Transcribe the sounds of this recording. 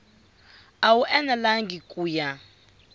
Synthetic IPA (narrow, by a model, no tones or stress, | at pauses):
awuʔɛnalaŋɡikʼuːja